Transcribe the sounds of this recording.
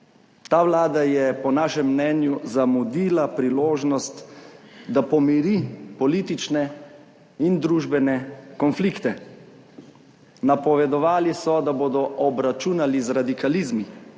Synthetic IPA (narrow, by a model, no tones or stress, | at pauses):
t̪aːʋlaːd̪ajɛpɔnaːʃɛmːnɛːnjuzamud̪iːlapɾiloːʒnɔst̪ | d̪apɔmiɾipɔliːt̪it͡ʃnɛ | ind̪ɾuːʒbɛnɛkɔnfliːkt̪ɛ | napɔʋɛd̪ɔʋaːlisɔd̪aboːd̪ɔʔɔbɾat͡ʃunalizɾad̪ikalizmi